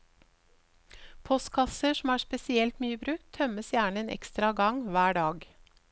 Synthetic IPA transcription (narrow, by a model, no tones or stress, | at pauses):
pʰɔst̪kʰɑsəʃm̩æːspɛsɪɛlt̪myːəbɾʉːk̚t̪ʰːœməsjæːɳəeːnʔɛ̰kst̪ɾɑɡɑŋʋæːɖɑːɡ